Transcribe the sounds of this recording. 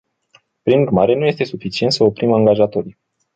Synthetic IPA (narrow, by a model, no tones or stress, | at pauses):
pɾinurmaɾe̞nuje̞st̪e̞sufit͡ʃie̞nt̪səo̞pɾimaŋɡaʒat̪o̞ɾi